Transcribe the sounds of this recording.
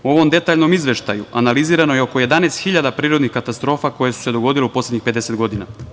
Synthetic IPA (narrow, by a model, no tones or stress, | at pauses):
uo̞ʋo̞md̪e̞t̪aːʎno̞mizʋe̞ʃt̪a̰juanaliziːɾano̞jeo̞ko̞je̞d̪aneːst̪xiʎad̪apɾiːɾod̪nixkat̪ast̪ɾo̞ːfako̞jesu̥se̞d̪o̞ɡo̞d̪ileupo̞slʲedɲixped̪e̞se̞t̪ɡo̞d̪ina̰